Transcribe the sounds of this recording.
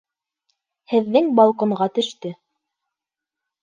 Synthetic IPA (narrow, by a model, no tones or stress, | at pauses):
hɘ̆ðːɘŋbɑlˠqŏɴʁɑt̪ɵ̆ʃt̪ɵ